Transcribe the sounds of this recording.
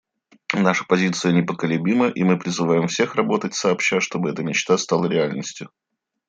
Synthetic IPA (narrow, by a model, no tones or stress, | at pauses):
naʂə̥pɐzʲit̪sɨjənʲɪpəkəlʲɪbʲiməʔimɨpɾʲɪzɨvajɪmfsʲe̞xrɐbo̞t̪ətʲsɐːpɕːaʂt̪o̞bɨɛt̪əmʲɪt͡ɕt̪ast̪alˠəɾʲɪalʲnəsʲtʲjʊ